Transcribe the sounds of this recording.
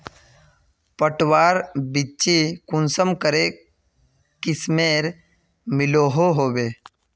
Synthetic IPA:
pəʈwaːɾbit͡ʃikʊnsəmkəɾe | kɪsmeːɾ | mɪloːɦoɦoːbeː

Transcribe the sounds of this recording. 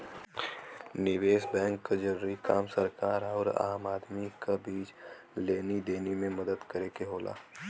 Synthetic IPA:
nɪʋeːsbɛ̃ːŋkːad͡ʒɐɾuːɾikaːmsəɾkaːɾɔːɾa̰ːmaːd̪mikabiːt͡ʃ | leːnid̪eːnimẽmɐd̪əd̪kɐɾeːkeɦoːla̰ː

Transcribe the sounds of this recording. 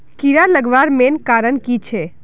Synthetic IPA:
kiɾaləɡʋaɾmenkaɾənkit͡ʃʰe

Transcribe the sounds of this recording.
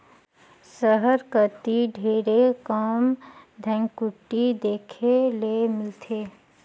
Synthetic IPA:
səɦəɾkət̪iɖʱeːɾekaːmd̪ʱɛ̃ŋɡkʊʈːid̪eːkʰelemɪlt̪ʰeː

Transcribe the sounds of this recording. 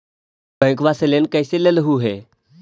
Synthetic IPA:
bə̃kʋaselẽnkəjselələɦuːɦe

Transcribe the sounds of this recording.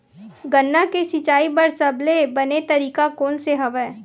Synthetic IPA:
ɡənːakesɪt͡ʃaːibɐɾsɐblebɐnet̪ɐɾiːkakoːnseɦɐʋɛː

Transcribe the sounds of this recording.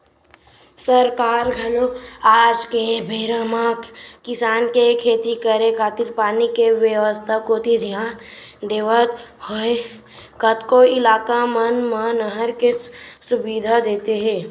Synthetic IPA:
səɾkaːɾɡʱɐloaːd͡ʒkebʱeːɾamaːkkɪsaːnkekʰeːt̪ikəɾekaːt̪ɪɾpaːnikeʋjəʋəst̪ʰakoːt̪id̪ʱijaːnd̪eːʋət̪hoe | kət̪koɪlaːkamənmənəɦəɾkesʊbid̪ʱad̪eːt̪eɦɛ̃ː

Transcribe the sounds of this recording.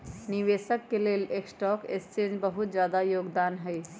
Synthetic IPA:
niʋeːsəkːeleːleːksʈɔːkɪ̰st͡ʃẽːd͡ʒbəɦʊt̪d͡ʒjaːd̪ajoːɡd̪aːnɦɛi

